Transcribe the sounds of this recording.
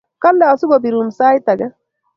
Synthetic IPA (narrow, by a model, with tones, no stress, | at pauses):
ka˦lːɛ˨ɔ˨su˦ɡɔ˨bi˨ɾu˨msa˦jt̪a˨ɡɛ˦